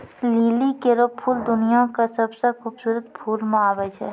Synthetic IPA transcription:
liːlikeɾopʰuːld̪ʊnijakasəbsekʰuːbsuːɾət̪pʰuːlmaːbəd͡ʒɦɛ̰ː

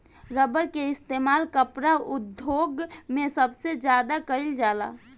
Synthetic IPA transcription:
ɾəbəɾkeɪst̪eːmaːlkəpɾaʊd̪ʱjoːɡmẽsəbsed͡ʒjaːd̪akəɪld͡ʒaːla̰ː

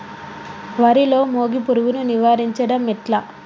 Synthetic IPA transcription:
ʋɐɾilo̞ːmoːɡipuɾuɡununiʋaːɾiɲt͡ʃɐɽɐmːiʈlɐ

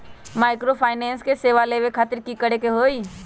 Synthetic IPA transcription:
maːɪkɾopʰaːɪnɛ̃ːnskeseːʋaleːʋekʰaːt̪ɪɾkikəɽekeɦoːi

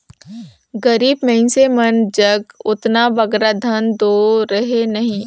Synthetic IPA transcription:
ɡɐɾiːbmɐɦɪ̃nsemɐnd͡ʒəɡʊt̪nabɐɡɾad̪ʱɐnd̪oɾəɦenɐɦĩː

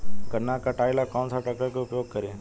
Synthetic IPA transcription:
kɐɾnakaʈaːɪlakɔːnsaʈakəkeʊpjoːɡ̚kɐɾẽː

